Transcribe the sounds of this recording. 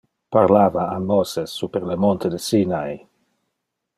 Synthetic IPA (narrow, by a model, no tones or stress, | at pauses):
paɾlaːvaamːosesːupeɾlemont̪ed̪esinaj